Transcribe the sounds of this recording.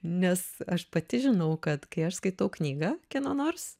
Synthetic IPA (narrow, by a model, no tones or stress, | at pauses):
nʲɛsɐʃpɐt̪ʲɪʒʲɪnɐʊkɐt̪kɐɪɐʃskɐɪt̪ɐʊknʲiːɡɐːkʲɛnoːnoːrs